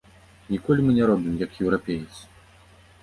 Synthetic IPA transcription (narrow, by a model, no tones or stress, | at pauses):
nʲikɔlʲimɨnʲɛɾɔbʲimjɐkjɛwɾapʲejɨt̪sɨ̥